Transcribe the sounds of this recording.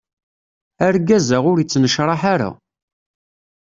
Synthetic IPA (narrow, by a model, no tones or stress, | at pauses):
æɾɡæzæʁʊɾit͡sːnəʃɾˤɑħaɾa̰